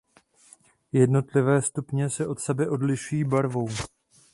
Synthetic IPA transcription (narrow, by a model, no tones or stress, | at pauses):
jɛdno̞t̪lɪvɛːst̪upɲɛsɛʔo̞t̪sɛbɛʔo̞dlɪʃujiːbaɾvo̞w